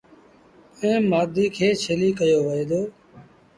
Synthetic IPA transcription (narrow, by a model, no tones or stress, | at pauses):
ẽːaːd̪ʱiːkʰeːt͡ʃʰeːliːkəjoːʋəeːd̪oː